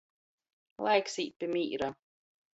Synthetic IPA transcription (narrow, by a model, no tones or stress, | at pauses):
lˠajksiːpʲːimiːɾa